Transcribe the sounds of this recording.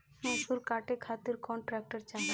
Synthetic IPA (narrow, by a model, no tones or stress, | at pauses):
hũsuɾkaːʈekʰaːt̪iɾkɔːɳʈɾɛːk̚ʈəɾt͡ʃaɦ